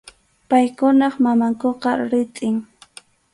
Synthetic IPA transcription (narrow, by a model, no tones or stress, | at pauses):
pajkʊnɑχmamaŋkoqɑɾɪt̪ʼɪŋ